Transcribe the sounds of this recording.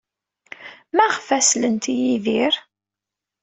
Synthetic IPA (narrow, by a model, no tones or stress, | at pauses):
mæʁfæslənt̪ijiðiɾ